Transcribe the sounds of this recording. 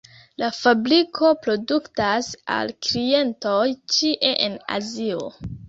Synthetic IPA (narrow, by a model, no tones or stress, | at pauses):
lafabɾikʰo̞pɾo̞duktasa̰lkɾie̞nto̞jt͡ʃiʔeʔena̰zio̞̰